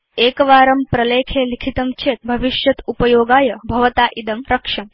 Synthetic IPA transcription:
eːkɐʋaːɾɐmpɾɐleːkʰeːlikʰit̪ɐmt͡ʃʰeːt̪̚bʱɐʋiʃjɐt̪upɐjoːɡaːjɐbʱɐʋɐt̪aːʔid̪ɐmɾɐkʂɐm

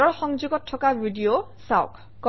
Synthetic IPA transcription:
ɔɹxɔŋd͡ʒuɡɔtʰːɔkabʱidio | saw̰kʰ | kɔ

